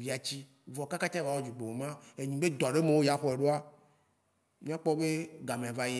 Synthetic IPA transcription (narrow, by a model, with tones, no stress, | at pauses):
vi˦a˨t͡ɕi˦ | vɔ˨ka˦ka˦t̪a˦va˨wɔ˦d͡ʒu˨k͡pe˨wo˨mã˦e˨ɲĩ˨be˦d̪ɔ˨ɖe˦me˨wo˦ja˦xɔ˦e˨ɖo˦a˦ | mĩ˦a˦k͡pɔ˦be˦ɡa˨mẽ˨a˨va˦je˦